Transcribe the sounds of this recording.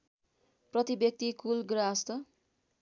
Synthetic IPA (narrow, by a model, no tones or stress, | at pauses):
prʌt̪ibek̚t̪ikulɡɾʌast̪ʌ